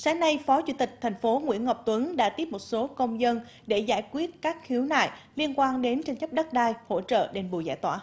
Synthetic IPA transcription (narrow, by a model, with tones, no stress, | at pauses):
saː˨˦ŋna˧jfɔ˨˦t͡ɕṵ˧˨t̪ï˨˩k̟̚t̪ʰɛ˨˩ŋ̟fo˨˦ŋwḭ˧˥ənŋa˨˩wp̚t̪wə˨˦nɗa̰ː˧˥t̪i˦˥əp̚mo˨˩t̚so˨˦kə˧wŋ͡mzə˧n | ɗe˧˩zaː˧˩jkwi˦˥ət̚kaː˦˥k̚xi˨˦əwna̰ː˧˨jli˧ənkwaː˧nɗe˨˦nt͡ɕa˧ŋt͡ɕə˦˥p̚ɗə˦˥t̚ɗaː˧jho̰˧˥t͡ɕə̰ː˧˨ɗe˨˩nɓu˨˩jza̰ː˧˩˨jt̪wa̰ː˧˩